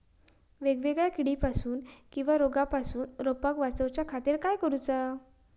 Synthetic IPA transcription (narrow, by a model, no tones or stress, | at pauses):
ʋeɡʋeɡɭjakiɽipasuːnkĩw̃ʋaɾoɡapasuːnɾopakʋat͡səwt͡ɕjakʰat̪iɾkajkəɾut͡sa